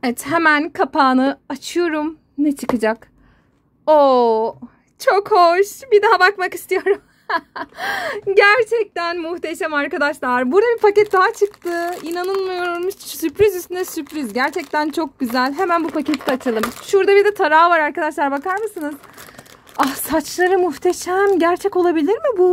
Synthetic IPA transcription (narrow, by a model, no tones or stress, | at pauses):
evɛt̪ɦemænkʰapʰaːnɯat͡ʃʰɯjo̞ɾum | nɛt͡ʃʰɯkɯd͡ʒak | o | t͡ʃʰo̞khoʃbid̪aɦabakmaki̥st̪ʰijo̞ɾum | ɟæɾt͡ʃʰɛc̚t̪ænmuht̪e̞ʃɛmaɾkad̪aʃlˠaaɾbuɾd̪abifacɛt̪̚d̪aɦat͡ʃʰɯk̚t̪ʰɯinanɯnˠmajo̞ɾoɾmuʃsypɾizyst̪ynɛsypɾizɟæɾt͡ʃʰɛc̚t̪ænt͡ʃʰo̞k̚ɟyzælʲɦemænbufacet̪ʰid̪ɛat͡ʃʰɯlˠɯmʃuɾd̪abiɾd̪ɛt̪ʰaɾaːvaɾaɾkad̪aʃlˠaɾbakaɾmɯsɯnɯz̥ | ahsat͡ʃlˠaɾɯmuxt̪ʰe̞ʃæmɟæɾt͡ʃʰɛco̞lˠabilʲiɾmibu